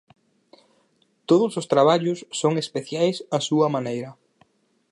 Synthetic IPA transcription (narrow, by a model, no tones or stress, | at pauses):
t̪oðʊsʊst̪ɾaβ̞aʎʊsːoŋespeθjajsasuɐmanejɾɐ